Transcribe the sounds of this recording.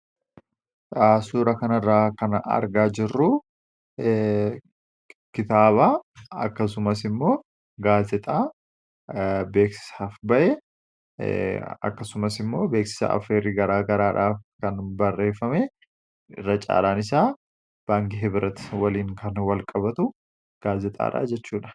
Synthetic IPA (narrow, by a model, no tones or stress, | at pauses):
aːsuːɾɐkɐnrːaːkɐnɐ̰ɾɡaːd͡ʒɪrːʊ | kɪt̪aːβaːɐkːɐs̬ʊmɐsɪmːo̞ː | ɡaːzɛt̪ʼaː | be̞ːksɪ̥saːfbɐʔɛ | ɐ̰kːɐsʊmɐsɪmːo̞ːbe̞ːksɪ̥sa̰ʔɐ̰feːɾiːɡɐɾaːɡɐɾaːᶑaːfkɐnbɐrːe̞ːfːɐmɛ | ɪ̰rːɐt͡ʃʼa̰ːlaːnɪsaː | b̥aːŋkɪɦɪbɪɾɐt̪wɐliːŋkɐnwɐlkʼɐbɐt̪ʊ | ɡ̥aːzɪt̪ʼa̰ːᶑa̰ːd͡ʒɛt͡ʃːuːᶑɐ̥